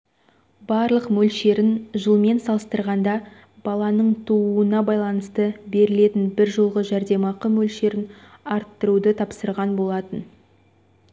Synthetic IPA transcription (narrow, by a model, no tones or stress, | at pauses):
b̥ɑɾlˠəqmɵlʃe̞ɾɪnʒəlˠme̞nsɑlˠəst̪əɾʁɑnd̪ɑ | b̥ɑlˠɑnəɴt̪ʰuuənɑbɑjlˠɑnəst̪əbe̞ɾɪle̞t̪ɪnbɪɾʒolˠʁəʒæɾd̪e̞mɑqəmɵlʃe̞ɾɪnɑɾt̪ːəɾud̪ət̪ʰɑpsəɾʁɑnbo̞lˠɑt̪ən